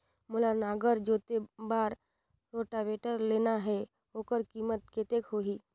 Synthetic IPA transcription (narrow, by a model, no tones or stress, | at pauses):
mʊləɾnaːɡəɾd͡ʒoːt̪ebaːɾ | ɾoːʈaʋeːʈəɾleːnaɦɛ | oːkəɾkiːmət̪̚ket̪ekɦoːiː